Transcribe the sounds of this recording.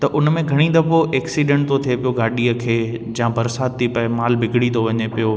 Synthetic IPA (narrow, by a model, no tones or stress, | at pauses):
t̪ɐʔʊnmẽɡʱɐɽ̃ĩd̪ɐboʔeːksiɖɛ̃ɳʈ̚t̪ot̪ʰiepijoɡaːɗiəkʰeː | d͡ʑjãbɐɾsaːt̪̚t̪ʰːipɐɪmaːlbʱɪɡɪɽit̪ʰoʋɐɲepijoː